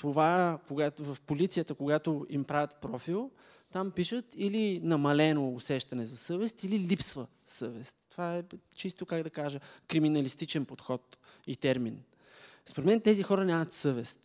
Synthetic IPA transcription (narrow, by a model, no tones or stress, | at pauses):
t̪ovakoɡatvɐfpolit̪sijət̪əkoɡat̪oimpɾavʲət̪pɾɔfilˠ | t̪ampiʃət̪ilinɐmɐlɛnoːsɛʃt̪ɐnɛzɐsɤvɛst̪ililipsvə | sɤvɛst̪ːovaɛt͡ʃist̪okaɡd̪ɐkaʒəkɾiminəlist̪it͡ʃɛnpot̪xɔt̪it̪ɛɾmin | spoɾɛt̪mɛnt̪ɛzixɔɾənʲamət̪sɤvɛst̪